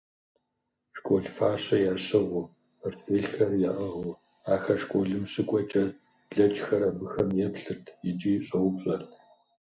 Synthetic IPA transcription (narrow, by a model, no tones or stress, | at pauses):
ʂkʷʼoːɮfaːɕɐjaːɕɐʁʷʊ | rtʰeːɬxɐrjaʔɐʁʊ | aːxɐʃkʷʼoɮɨmɕɨkʷʼɔt͡ʃʼɐr | ɮɐt͡ʃʼxɐɾɐbɨxɐmjɛpɬɨrtʰjɪd͡ʒʼiːɕʼɐwʊpɕʼɐr